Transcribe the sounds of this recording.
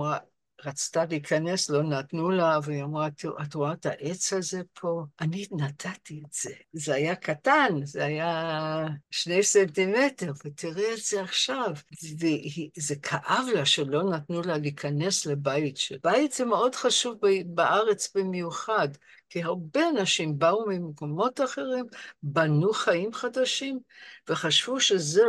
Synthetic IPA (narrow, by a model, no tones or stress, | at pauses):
ʁa | ʁat͡staliikʰane̞slo̞natnulavejomʁatʔatʁoataʔe̞t͡shazepʰo̞ʔaninatʰatietz̥ezeajakatanzeaja | ʃnejsentimete̞ʁvetʰiʁeetz̥eaχʃavvehizekʰaʔavlaʃelo̞natnulalikʰane̞slebajtʃebajitz̥emeo̞dχaʃuvbbaʔaʁet͡sbimjuχad | kiɦaʁbe̞anaʃimbaumimekomo̞taχe̞ʁimbanuχajimχadaʃimve̞χaʃv̥uʃeze